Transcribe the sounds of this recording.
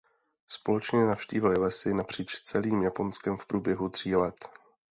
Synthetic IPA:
spo̞lɛt͡ʃɲɛnafʃcḭːvɪlɪlɛsɪnapr̝̥iːt͡ʃst͡sɛliːmjapo̞nskɛmfpɾʔuːbjɛɦut̪r̝̥iːlɛt̪

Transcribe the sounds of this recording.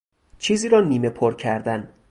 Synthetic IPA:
t͡ʃʰiːziːɾɒːniːme̞pʰoɾcʰæɾd̪æn

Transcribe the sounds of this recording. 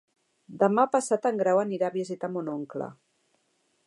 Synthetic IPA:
d̪əmapasat̪əŋɡɾawəniɾaβizit̪amonoŋklə̰

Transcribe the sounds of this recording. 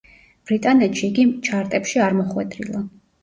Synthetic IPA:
b̥ɾit̪ʼanɛt̪ʃiːɡit͡ʃʰaɾt̪ʼɛpʃiaɾmɔχwɛd̪ɾḭlˠa

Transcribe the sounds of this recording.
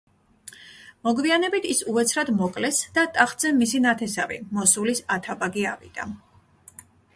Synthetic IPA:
mɔɡvianɛbit̪ʰisuɛt̪sʰɾad̪mɔkʼlɛsd̪̥at̪ʼaχt̪ʼzɛmisinat̪ʰɛsavḭmɔsulisat̪ʰabaɡia̰vḭd̪̥a̰

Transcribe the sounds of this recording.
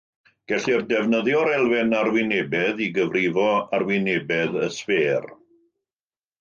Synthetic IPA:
ɡ̥ɛɬirdɛvnəðjɔɾɛlˠvɪnarwɪnebɛðiɡəvrɪvɔarwɪnebɛðəsveːr

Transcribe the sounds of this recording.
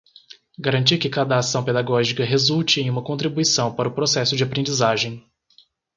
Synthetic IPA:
ɡaɾɐ̃nt͡ʃiɾkɪkad̪ɐːsɐ̃w̃ped̪aɡɔʒikɐɦezult͡ʃɪẽj̃ũmɐkõnt̪ɾibuisɐ̃w̃paɾɐʊpɾosɛsʊd͡ʒɪapɾẽd͡ʒizaʒẽj̃

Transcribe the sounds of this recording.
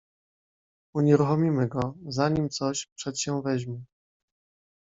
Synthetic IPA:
uɲɛɾuxɔmʲimɘɡɔzaɲimt̪sɔɕpʂɛt̪ɕɛvɛʑmʲɛ

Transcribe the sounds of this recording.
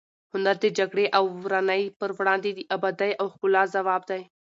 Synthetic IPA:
ɦʊnd̪əɾd̪ed͡ʒɐɡɽeʔɐwɾanəipəɾʋɽãːnd̪iːd̪iːʔɐbəd̪ɐjʔɐxɡʊlaːzɐʋaːbd̪ɐj

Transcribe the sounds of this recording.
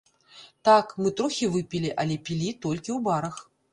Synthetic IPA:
t̪akmɨt̪ɾɔxʲivɨpʲilʲiʔɐlʲɛpʲilʲit̪ɔlʲkʲiwbaɾɐx

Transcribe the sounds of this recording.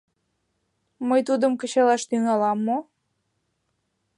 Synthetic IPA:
məjt̪ud̪əmkə̆t͡ɕɑlɑʃt̪yŋɑlɑmːo

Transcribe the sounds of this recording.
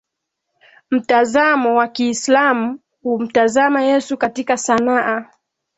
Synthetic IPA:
m̩tazamɔwakiːslamu | hum̩tazamajɛsukatikasanaʔa

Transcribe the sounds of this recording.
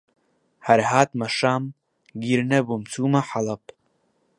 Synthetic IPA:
hɐɾɦaːt̪mɐʃaːm | ɡiɾnɐbumt͡suːmɐħalɐp

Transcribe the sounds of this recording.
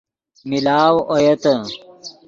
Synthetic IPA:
milaːwojɐt̪ɐ

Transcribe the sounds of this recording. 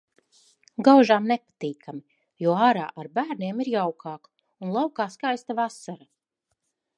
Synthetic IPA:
ɡawʒaːmnepḁt̪iːkami | juɔaːɾa̰ːʔaɾbæːɾnʲeɛmiɾjawkʰaːk | unlˠawkaːskajst̪avasaɾa

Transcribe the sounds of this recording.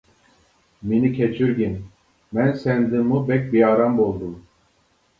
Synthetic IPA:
minicʰet͡ʃʰiɾɟin | mænsænd̪immubɛc̚ʲbiaɾambolˠd̪um

